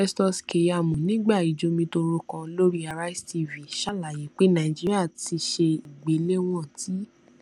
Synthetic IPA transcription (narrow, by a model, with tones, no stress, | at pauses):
fɛ˦stɔ˧ske˨ja˨mũ˨nĩ˨˦ɡ͡ba˦˨i˨d͡ʒo˧mĩ˧to˧ɾo˧kã˧lo˦ɾi˦a˧ɾa˦i˦sti˧˨vĩ˨ʃa˦˨la˨je˨˦k͡pe˦nã˨d͡ʒi˦ɾi˦a˦˨ti˧ʃe˧i˨ɡ͡be˨˦le˦w̃ɔ̃˦˨ti˨˦